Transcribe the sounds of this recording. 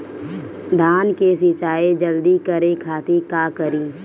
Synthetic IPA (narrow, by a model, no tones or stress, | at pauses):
d̪ʱaːnkesɪt͡ʃaːed͡ʒəld̪ikəɾekʰaːt̪ikaːkəɾiː